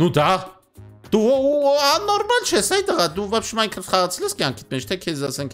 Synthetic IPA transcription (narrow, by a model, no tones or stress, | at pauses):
nud̪ɑ | d̪̥uuɑnɔɾmɑlt͡ʃʰɛsɛjit̪əʁɑd̪uvɛpʃumɑiŋkʰəχɑʁɑt͡sʰɛlɛskjɑŋkʰi̥t̪̚mɛt͡ʃt̪ʰɛkʰɛzɑsɛŋk